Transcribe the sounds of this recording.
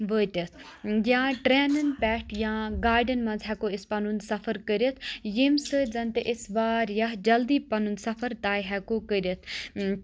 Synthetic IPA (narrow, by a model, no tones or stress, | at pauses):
ʋəːt̪ʲət̪ʰjãːʈɾɛːnənpɛːʈjãːɡaːɾɖənmɐ̃nzɦɛkoɪspɐnunsɐfʰəɾkəɾət̪ʰjimsɨd͡zɐnt̪eʔɪsʋaːɾjɐɦd͡ʒɐld̪iːpɐnund̪sɐfʰəɾt̪aːjɦɛkoːkəɾət̪ʰ